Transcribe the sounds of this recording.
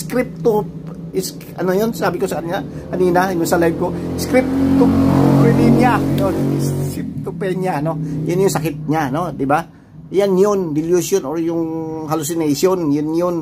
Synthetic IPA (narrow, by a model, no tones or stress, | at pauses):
skɾɪp̚t̪o | ɪs | ɐnojonsaːbɪkosɐkɐniːna | kɐniːnaɪnoŋsɐlajb̚koskɾɪp̚t̪oɾɪniɲanonskɾɪp̚t̪opɛɲanojʊnjʊŋsɐkɪt̪̚ɲanod̪ɪba | janjond̪ɪljusjonoɾjʊŋhalusɪnajsjonjʊnjon